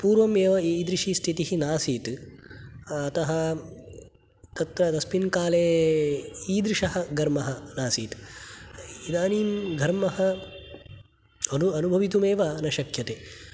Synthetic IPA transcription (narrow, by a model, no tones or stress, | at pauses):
puːɾʋɐmeːʋɐid̪ɾiʂiːst̪ʰit̪iɦinaːsiːt̪ | ɐt̪ɐɦɐ | t̪ɐt̪ɾɐt̪ɐspinkaːleː | iːd̪ɾiʂɐɦɐ̆ɡʱɐɾmɐɦɐnaːsiːt̪ | id̪aːniːmɡʱɐɾmɐɦɐ | ɐnuɐnubʱɐʋit̪̬umeːʋanɐʃɐkʰjɐt̪eː